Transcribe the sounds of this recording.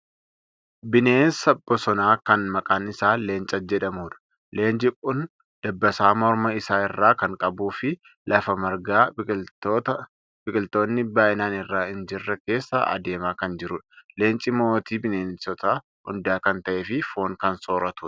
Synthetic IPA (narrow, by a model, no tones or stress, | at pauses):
bɪne̞ːnsɐbːɔsɔnaːkɐnmɐkʼaːnɪsaːle̞ːnt͡ʃʼɐd͡ʒɛᶑɐmuːᶑɐ̥ | le̞ːnd͡ʒʼɪkʼʊn | d̪̥ɐbːɐsaːmɔɾmɐɪsaːɪrːaːkɐŋkʼɐbuːfɪ | lɐfɐmɐɾɡaː | bɪkʼɪlt̪o̞ːnːɪbaːʔɪnaːnɪrːaːhɪnd͡ʒɪrːɐke̞ːsːɐʔɐ̰d̪e̞ːmaːkɐnd͡ʒɪɾʊᶑɐ̥le̞ːnt͡ʃʼɪmoːt̪iːbɪneːnsɔt̪ɐ | hʊ̰nd̪aːkɐnt̪ɐʔeːfɪfoːŋkɐnso̞ːɾɐt̪uːɐ̥